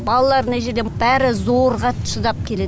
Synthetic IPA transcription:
bɑlˠɑlˠɑɾnaʒeɾd̪eb̥æɾɪzoɾʁɑt̪ʰʊ̥ʃəd̪ɑp̚kʲʰe̞le

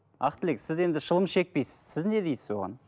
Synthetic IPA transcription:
ɑ̰qt̪əleksɪze̞nd̪ɪʃəlˠəmʃe̞k̚pejsɪ̥z̥sɪzne̞d̪ejsɪzwo̞̰ʁɑ̰n

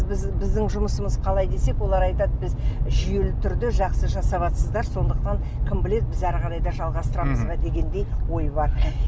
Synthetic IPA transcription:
bzbɪzd̪ɪŋʒʊməsəməzqʰɑlˠɑjd̪e̞se̞kwo̞lˠɑɾɑjt̪ɑt̪̚bɪzʒʏje̞lɪt̪ʰʏɾd̪ɪʒɑqsəʒɑsɑβɑt̪səzd̪ɑɾso̞nd̪əqt̪ɑŋ | kʰomble̞t̪̚bɪzæɾʁɑɾɑjd̪ɑʒɑlˠʁɑst̪əɾɑməzzʁɑt̪ʰe̞ɡʲe̞nd̪e̞jwo̞jbɑɾ

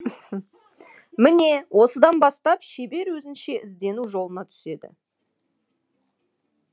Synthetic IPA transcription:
mɪne̞wʔo̞səd̪ɑnbɑst̪ɑpʃebe̞ɾwɵzɪnʃe̞ʔɪzd̪e̞nuʒo̞lˠənɑt̪ʰʏ̥se̞d̪ɪ̰

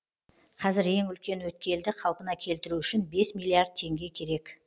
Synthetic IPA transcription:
qʰɑzɪɾe̞ŋʏlkʲe̞nwɵt̪̚kʲe̞ld̪ɪqʰɑlˠpənɑkʲʰe̞lt̪ɪɾuʏʃɪnbe̞smijlːˠiard̪̚t̪ʰe̞ŋɡʲe̞kʲʰe̞ɾe̞k

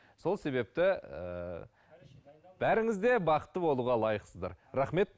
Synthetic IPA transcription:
so̞lˠse̞βe̞p̚t̪ɪə̰ | b̥æɾɪŋɪzd̪e̞bɑqə̥t̪ːəbo̞lˠuʁɑlˠɑjəqsəzd̪ɑ̰ɾɾɑχme̞t̪̚

